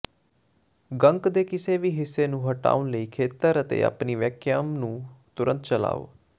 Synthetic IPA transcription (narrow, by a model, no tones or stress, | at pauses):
ɡəŋkd̪eːkɪseːʋiːɦɪsːeːnũːɦəʈa̰ːʊnləiːkʰeːt̪əɾət̪ḛːa̰ːpniːʋɛːkʰjaːmnũːt̪ʊɾənt̪t͡ʃəla̰ːo̰ː